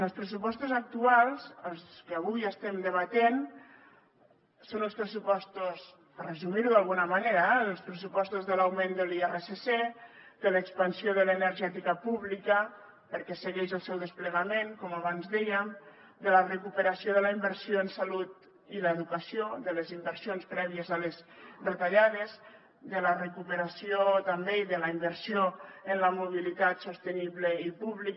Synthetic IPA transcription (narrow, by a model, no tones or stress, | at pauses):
əlˠspɾəs̬upɔst̪uzək̚t̪ualˠzəlˠskəːβujəst̪ɛmd̪əβ̞at̪en | sonəlˠspɾəsupɔst̪us | prəzumiɾuðalˠɣunəmaneɾəɛəlˠspɾəs̬upɔst̪uzðəlɐwmend̪əliɛresese | d̪ələːkspənsioðələːnəɾʒɛt̪ikəpuβlikə | pəɾkɛsəɣɛʃəlˠsɛwðəspləɣəmenkɔmaβanzðɛjəm | d̪ələrəkupəɾasioðələimbəɾsioənsalut̪ | iləːðukəsioðələzimbəɾsionspɾɛβiəzəlezbət̪aʎaðez | d̪ələrəkupəɾasiot̪ambeiðələimbəɾsioənləmuβ̞ilit̪at̪sost̪əniβləipuβlik